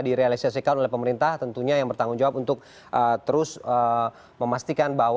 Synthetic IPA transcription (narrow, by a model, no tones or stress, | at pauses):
diɾealisiasikat̪olɛhpəməɾint̪aht̪ənt̪uɲajaŋbərt̪aŋʊnd͡ʒawapunt̪ʊk̚ | ʔət̪əɾʊsə | məmast̪ikanbaw